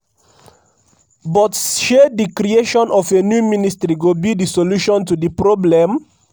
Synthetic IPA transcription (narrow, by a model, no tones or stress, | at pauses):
bɔtʃedikɾieʃɔ̃nʔɔfenjumĩnistɾiɡobidisoluʃɔ̃ntudipɹɔblɛ̃m